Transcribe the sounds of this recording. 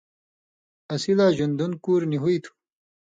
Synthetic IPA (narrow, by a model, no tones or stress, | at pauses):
ɐsilaːʑund̪unkuːɾniɦuit̪ʰu̥